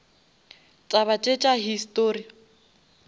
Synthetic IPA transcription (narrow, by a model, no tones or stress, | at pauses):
t͡sʼaβat͡ʃʼet͡ʃʼaɦistʼoːri